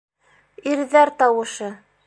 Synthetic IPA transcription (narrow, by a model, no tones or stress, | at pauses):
iɾðæɾt̪ɑwɤ̆ʃɤ